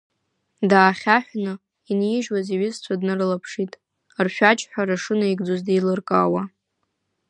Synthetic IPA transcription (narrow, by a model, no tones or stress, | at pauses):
daːχʲaħʷᶣnɨ | injɪʒwaziɥɪzt͡sʷʰadnɨrlapʰʂitʼ | rʃᶣat͡ʃʼħʷᶣaɾaʂɨnaiɡd͡zozdejlɨrkʼawa